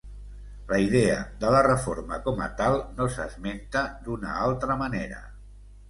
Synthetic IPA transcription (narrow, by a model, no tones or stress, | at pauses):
ləiðeəðələrəfoɾməkɔmə̰t̪alˠnosəzment̪əd̪unə̰alˠt̪ɾəməneɾə̰